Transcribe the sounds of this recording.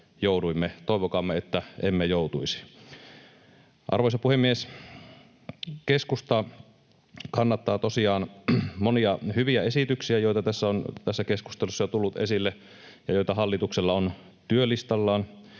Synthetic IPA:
jouduimːet̪oˑeʋokɑmːeet̪ːæʔemːejout̪uisi̥ | ʔɑ̰rʋoisɑpuhemːies | keskust̪ɑ | kɑnːɑt̪ːɑːt̪osiɑːnmoniɑhyʋiæesit̪yksiæjoit̪ɑt̪æsːæont̪æsːækesku̥st̪elusːɑjot̪ulːut̪ḛsilːe | jɑjojt̪ɑɦɑlːit̪ukselːɑon | t̪yølist̪ɑlːɑːn

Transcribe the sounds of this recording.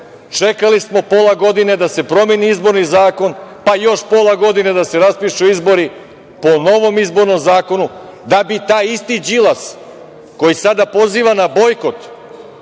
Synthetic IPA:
t͡ʃe̞kalismo̞po̞laɡo̞d̪ine̞d̪ase̞pɾo̞meniizbo̞ɾnizaːko̞npajo̞ʃpo̞lˠaɡo̞d̪ine̞d̪ase̞ɾaspiʃuizbo̞ɾi | po̞no̞ʋo̞mizbo̞ɾno̞mzaːko̞nu | d̪abit̪aːjist̪id͡ʒilˠas | ko̞jisad̪apo̞ziːʋanabo̞jko̞t̪

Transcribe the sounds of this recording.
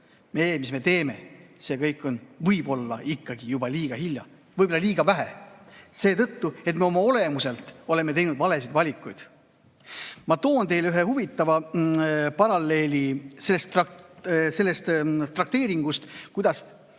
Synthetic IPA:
me̞ːmisme̞t̪e̞ːme̞se̞kɤjkːˑo̞nvɤjb̥o̞lːɑikːɑɡ̥ijub̥ɑlʲiːɡ̥ɑhilʲjɑ | vɯjbo̞lːɑliːɡ̥ɑvæɦese̞ːt̪ɤt̪ːue̞t̪me̞o̞mɑo̞le̞muse̞lt̪ːˑo̞le̞me̞t̪e̞jnud̪vɑle̞sid̪vɑlʲikːˑujd̪̥ | mɑt̪o̞ːnt̪e̞jlyɦe̞huvit̪ːˑɑvɑ | pɑɾɑlːe̞ːlʲise̞lːest̪rɑse̞lːest̪t̪ːrɑk̚t̪e̞ːɾiŋɡ̥ust̪kujd̪̥ɑs

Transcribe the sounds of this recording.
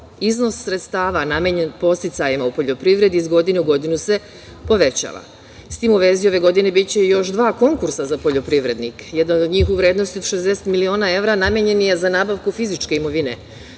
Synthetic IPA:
izno̞sːɾet̪st̪aːʋanameɲenpo̞st̪it̪sajimaupo̞ʎo̞pɾiʋɾe̞d̪izɡo̞d̪ineuɡo̞d̪inuse̞ | po̞ʋe̞t͡ɕa̰ːʋa̰ | st̪iːmuʋe̞ːzio̞ʋe̞ɡo̞d̪ine̞bit͡ɕe̞jo̞ʃd̪ʋaːko̞ŋkuɾsazapo̞ʎo̞pɾiʋɾe̞d̪nikjed̪anod̪ɲiːxuʋɾe̞ːd̪no̞st̪io̞d̪ʃe̞zd̪eset̪milio̞ːnae̞ʋɾanamjeɲe̞nijezanaːbaʋkufizit͡ʃke̞imo̞ʋine

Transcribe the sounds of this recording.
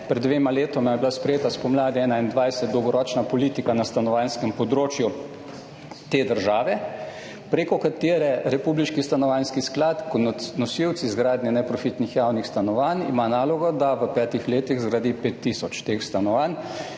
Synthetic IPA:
pɾɛd̪ːʋeːmaleːt̪ɔmajɛbilaspɾɛjeːt̪aspɔmlaːd̪iɛːnaind̪ʋajsɛt̪d̪ɔwɡɔɾɔːt͡ʃnapɔlit̪ikanast̪anɔʋanskɛmpɔd̪ɾoːt͡ʃju | t̪eːd̪əɾʒaːʋɛ | pɾeːkɔkat̪eːɾɛɾɛpubliʃkist̪anɔʋanskisklaːt̪kɔnɔsiwt̪sizɡɾaːd̪nʲɛnɛpɾɔfit̪nixjawnixst̪anɔʋanḭmanaːlɔɡɔd̪aʋəpɛːt̪ixleːt̪iɣzɾad̪ipet̪ːisɔt͡ʃt̪exst̪anɔʋan

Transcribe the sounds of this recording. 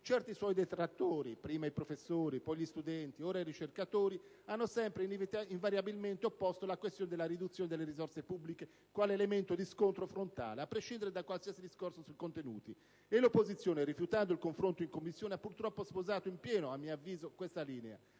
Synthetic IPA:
t͡ʃɛɾt̪iswɔjd̪ɛt̪ɾat̪ːoːɾipɾiːmaipɾofesːoːɾipɔjʎist̪ud̪ɛnt̪iɔːɾaiɾit͡ʃeɾkat̪oːɾi | anːosɛmpɾeinviɱvaɾjabilmɛnt̪eopːɔst̪olakwest̪joːned̪ɛlaɾid̪ut̪sːjoːned̪elːeɾizɔɾsepubːlike | kwaːleɛlemɛnt̪od̪iskont̪ɾofɾont̪a̰ːleapːɾeʃːind̪eɾed̪akwalsiasid̪iskorsosuikont̪enṵːt̪i | ɛlopːozit̪sːjoːneɾifjut̪and̪oilkoɱfɾont̪oiŋkomːisːjoːneapːuɾt̪ɾɔpːospozaːt̪oimpjɛːnoamːiavːiːzokwɛst̪aliːnɛa̰

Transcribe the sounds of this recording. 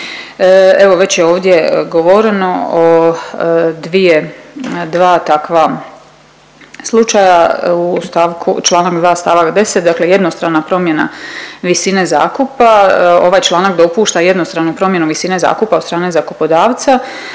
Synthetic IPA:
e̞ʋo̞ʋe̞t͡ɕjeo̞ːʋd̪je̞ɡoʋoɾeno̞o | d̪ʋije̞d̪ʋaːt̪akʋa | slˠut͡ʃajaust̪aʋkʰṵt͡ʃlˠaːnakd̪ʋaːst̪aːʋakd̪e̞set̪̚d̪akle̞je̞d̪nost̪ɾanapɾo̞mje̞naʋisineza̰ːkupao̞ʋajt͡ʃlˠaːnakd̪o̞puːʃt̪aje̞d̪nost̪ɾanupɾo̞mje̞nuʋisine̞za̰ːkupaod̪st̪ɾaːne̞zakupo̞d̪aːʋt̪sa

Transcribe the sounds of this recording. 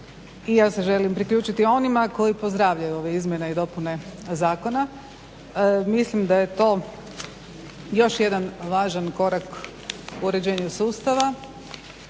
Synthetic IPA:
ijaːse̞ʒe̞limpɾikʎuːt͡ʃit̪io̞nimako̞jipo̞zd̪ɾaːʋʎajuo̞ʋeizmʲje̞neid̪o̞pune̞zaːko̞na | mislimd̪aje̞t̪o̞ː | jo̞ʃje̞d̪anʋaːʒanko̞ɾak | uːɾe̞d͡ʑe̞ːɲusuːst̪aʋa

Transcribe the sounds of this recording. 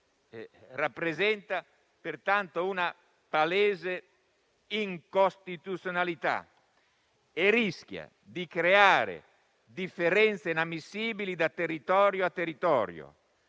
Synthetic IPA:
rapːɾezɛnt̪a | pert̪ant̪ouna | paleːze | iŋkost̪it̪ut̪sjonalit̪a̰ | erisk̟ja̰ | d̪ikɾeaːɾḛ | d̪ifːeɾɛnt̪seinamːisiːbilid̪at̪erit̪ɔːɾjoat̪ːerit̪ɔ̰ːɾjo̰

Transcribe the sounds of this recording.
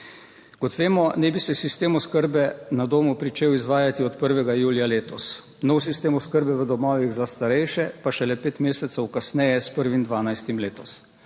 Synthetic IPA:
kɔt̪ʋeːmɔnɛbisɛsist̪eːmɔskəɾbɛnad̪oːmupɾit͡ʃeːwizʋaːjat̪iɔt̪pəɾʋɛɡajuːljaleːt̪ɔs | nɔwsist̪eːmɔskəɾbɛʋəd̪ɔmɔːʋiɣzast̪aɾɛjʃɛpaʃɛlɛpeːt̪meːsɛt̪sɛwkasnɛjɛspəɾʋind̪ʋaːnajst̪imleːt̪ɔs

